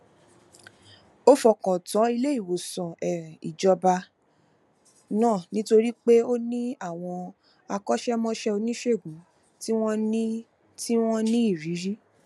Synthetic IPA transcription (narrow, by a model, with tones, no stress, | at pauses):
o˦fɔ˨kɔ̃˨tɔ̃˨˦i˧le˦i˦˨wo˨sɔ̃˨ɛ˨ɾɛ̃˨i˨d͡ʒɔ˧ba˧ | nãː˦˨nĩ˦to˧ɾi˦k͡pe˦o˦nĩ˦a˦˨w̃ɔ̃˧ | a˧kɔ˦ʃɛ˦mɔ̃˦ʃɛ˦o˧nĩ˦ʃe˦˨ɡũ˨˦ | ti˦w̃ɔ̃˦nĩ˦ | ti˦w̃ɔ̃˦nĩ˦i˦˨ɾi˨˦ɾi˦